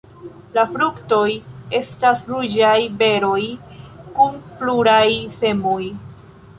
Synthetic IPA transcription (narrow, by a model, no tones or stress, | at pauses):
lafɾukto̞je̞stasɾud͡ʒajbe̞ɾo̞j | kumpluɾajse̞moj